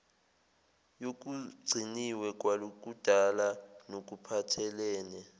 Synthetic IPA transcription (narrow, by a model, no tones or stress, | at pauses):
jok̬uɡ͡ǀʱiniwɛk̬ʼwalok̬ʼud̥ʱalanok̬upʰatʰɛlɛːnɛ